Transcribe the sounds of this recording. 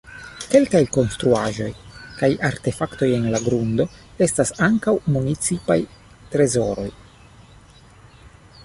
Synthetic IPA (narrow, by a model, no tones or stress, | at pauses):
ke̞lkajko̞nst̪ɾuaʒo̞jkajaɾt̪e̞fakt̪o̞je̞nlaɡɾund̪o̞e̞stasaŋkawmunit͡sipa̰j | t̪ɾe̞zo̞ɾo̞̰j